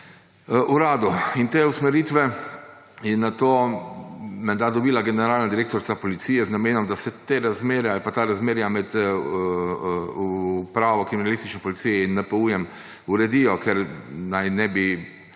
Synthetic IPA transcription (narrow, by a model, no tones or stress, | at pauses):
ʔuɾaːd̪uint̪eːusmɛɾit̪ʋɛ | jɛnat̪oː | mɛnd̪ad̪ɔbiːlaɡɛnɛɾaːlnad̪iɾeːk̚t̪ɔɾt̪sapɔlit̪sijɛznameːnɔmd̪asɛt̪eɾazmeːɾjaalpat̪aːɾazmeːɾjamɛt̪ | upɾaːʋɔkɾiminalist̪it͡ʃnɛpɔlit̪sijɛinːɛpɔuːjɛm | uɾɛd̪ijɔkɛɾnajnɛbi